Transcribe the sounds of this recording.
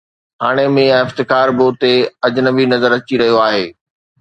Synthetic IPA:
ɦaːɽ̃emẽɛ̃ːɪft̪ɪkaːɾboːt̪eɐd͡ʑnə̆binɐzəɾɐt͡ɕiɾɐɦijoaːɦeː

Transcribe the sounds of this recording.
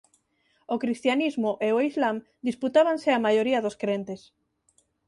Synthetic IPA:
okɾist̪janizmoʔeoizlam | d̪isput̪aβanseamajoɾiɐðoskɾent̪es

